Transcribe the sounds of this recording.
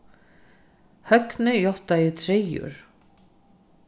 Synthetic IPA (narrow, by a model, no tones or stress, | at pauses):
hœknɪjɔh̪t̪ajɪt̪ʰɾejʊ̰ɾ̥